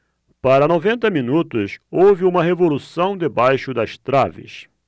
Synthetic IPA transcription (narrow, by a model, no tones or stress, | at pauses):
paɾɐnovẽnt̪ɐmĩnut̪ʊsowvɪũmɐɦevolusɐ̃w̃d̪ɪbajʃʊd̪ɐst̪ɾavɪ̰s